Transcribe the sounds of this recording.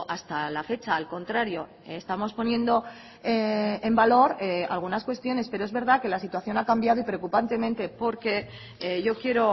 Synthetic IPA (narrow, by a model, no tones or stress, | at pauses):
ʔast̪alafe̞t͡ʃaːlko̞nt̪ɾaɾjo̞ | st̪amo̞spo̞njẽ̞nd̪o̞ | eembalo̞ɾa̰lɣ̞unaskwe̞st̪jo̞ne̞speɾo̞ezβe̞ɾðake̞lasit̪waθjo̞nakambjaðoipɾeokupant̪e̞mẽ̞nt̪e̞po̞ɾke̞ | eʝo̞kje̞ɾo̞